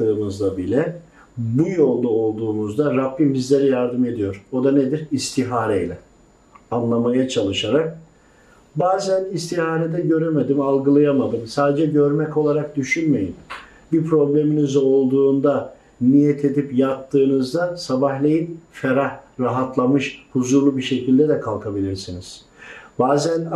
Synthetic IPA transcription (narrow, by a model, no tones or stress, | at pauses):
ɯːnɯzd̪abilʲɛ | bujo̞lˠd̪ao̞lˠd̪uːnuzd̪aɾabːimbizlʲe̞ɾɛjaɾd̪ɯme̞d̪ijo̞ɾo̞d̪aned̪iɾist̪ʰiɦaːɾejlʲɛ | anlˠamajat͡ʃʰalˠɯʃaɾak̚ | baːzænist̪ʰihaːɾed̪ɛɟø̞ɾemed̪imalˠɡɯlˠajamad̪ɯmsaːd̪ed͡ʒɛɟø̞ɾmɛco̞lˠaɾak̚d̪yʃynme̞jin | bipʰɾo̞blʲe̞minizo̞lˠd̪uːnd̪a | nijɛt̪ʰe̞d̪ipjap̚t̪ʰːɯːnɯzd̪asabaɦlʲe̞jinfeɾahɾaɦat̪lˠamɯʃhuzuɾlˠubiʃe̞cʰilʲd̪ɛd̪ɛkʰalˠkʰabilʲiɾsiniz̥ | baːzæn